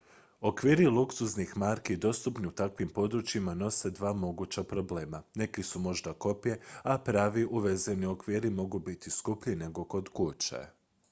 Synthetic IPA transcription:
o̞kʋiːɾilˠuksuznixmaɾkiid̪o̞st̪upniut̪akʋimpo̞d̪ɾut͡ʃimano̞se̞d̪ʋaːmo̞ɡut͡ɕapɾo̞ble̞ːmane̞kisumo̞ʒd̪ako̞pije̞apɾaːʋiʔuʋe̞zenio̞kʋiːɾimo̞ɡubit̪iskupʎine̞ɡo̞ko̞d̪kut͡ʃa̰

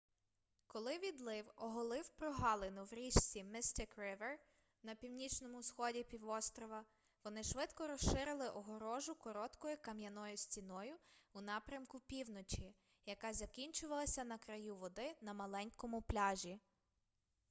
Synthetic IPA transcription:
kɔlˠɪʋʲid̪lˠɪwɔɦɔlˠɪwpɾɔɦɑlˠenʊwɾʲiʃt͡sʲimɪst̪ɪkrɪʋer | nɐpʲiwnʲit͡ʃnɔmʊsxɔdʲipʲiwɔst̪ɾɔʋɐ | ʋɔnɪʃʋɪt̪kɔɾɔsʃɪɾɪlˠɪʔɔɦɔɾɔʒʊkɔɾɔt̪kɔjʊkɐmjɐnɔjʊsʲtʲin̪ɔjʊunɑpɾʲɐmkʊpʲiwnɔt͡ʃi | jɐkɑzɐkʲinʲt͡ʃʊʋɐlˠɐsʲɐnɐkɾɐjuʋɔd̪ɪnɐmɐlˠɛnʲkɔmʊplʲɑʒʲi

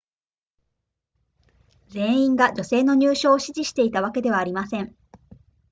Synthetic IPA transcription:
d͡zẽ̞ĩŋɡad͡ʑo̞se̞ːno̞ɲ̟ʲɨːɕo̞ːɕiʑiɕi̥t̪e̞it̪aβake̞d̪e̞βaːɾʲimasẽ̞ɴ

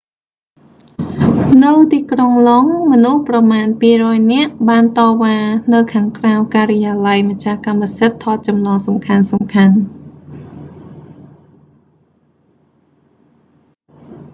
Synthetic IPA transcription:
nɨwt̪iːkroŋloŋmɔnuhprɑmaːnpiːrɔːjnɛ̆əʔɓaːnt̪ɑːʋaːnɨwkʰaːŋkrawkaːrəjaːlajmac̚t͡ɕahkamːasɨt̪ʰːɑːt̪̚t͡ɕɑmnɑːŋsɑmkʰansɑmkʰan

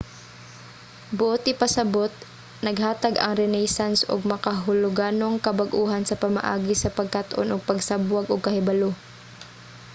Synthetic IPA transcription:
bʊʔot̪ʔɪpɐsɐbot̪̚ | nɐɡhaːt̪aɡʔɐ̰ŋɾɛnɛjsansʔo̰ɡ̚mɐkaɦʊloɡaːnoŋkɐbɐɡʔuːɦansɐpɐmɐ̰ʔa̰ːɡɪsɐpɐɡ̚kat̪ʔo̰nʔʊɡ̚pɐɡsabwɐɡoɡ̚kɐhɛbɐlo

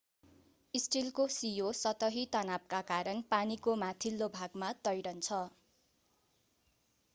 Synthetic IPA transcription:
isʈilkosijosʌt̪ʌɦit̪ʌnap̚kakaɾʌnpanikomat̪ʰilːobʱaɡmat̪ʌjɽʌnt͡sʰʌ

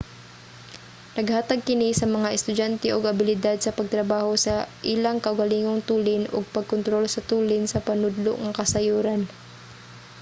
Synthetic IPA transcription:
nɐɡhaːt̪ɐɡ̚kɪnisɐmɐŋaʔɛst̪ʊd͡ʒant̪ɛʔoɡɐbɪlɪd̪ad̪̚sɐpɐɡ̚t̪ɾɐbaːhosɐʔilaŋkɐʔʊɡɐliːŋoŋt̪uːlɪnoɡ̚pɐɡ̚kont̪ɾolsɐt̪uːlɪnsɐpɐnʊd̪lo̰ʔŋɐkɐsɐjuːɾan

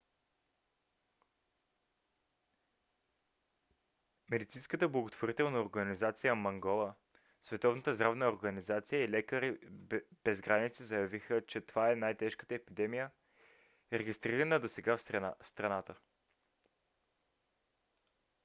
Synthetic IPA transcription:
mɛd̪it̪sinskət̪əblˠəɡot̪voɾit̪ɛlˠnəoɾɡənizat̪sijəmɐŋɡɔlˠə | svɛt̪ɔvnət̪əzd̪ɾavnəoɾɡənizat̪sijəilɛkəɾib̥ɛzɡɾanit̪sizəjɐvixət͡ʃɛt̪ovaɛnajt̪ɛʃkə̥t̪əɛpid̪ɛmijə | ɾɛɡist̪ɾiɾənəd̪osɛɡafst̪ɾɐnat̪ə

